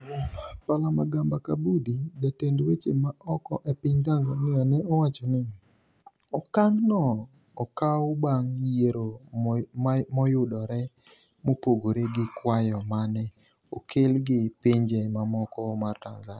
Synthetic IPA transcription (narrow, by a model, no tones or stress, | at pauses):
palamaɡambakabudidatendwet͡ʃemaɔkɔʔɛpɪɲtanzanɪanɛɔwat͡ʃonɪ | ɔkaŋɡnɔ | ɔkawʊbaŋjeɾo | mɔjʊdɔɾɛ | mopoɡoɾeɡɪkwajɔmanɛ | okʰelɡɪpiɲd͡ʒɛmamɔkɔmartanzanɪ